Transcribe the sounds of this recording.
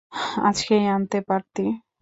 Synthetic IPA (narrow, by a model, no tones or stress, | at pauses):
a̰t͡ʃkejant̪epaɾt̪i